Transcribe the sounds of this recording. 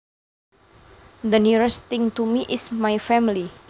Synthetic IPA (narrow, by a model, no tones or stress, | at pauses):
d̪əniɾɛst̪ɪŋt̪umiʔɪsmajfɛmili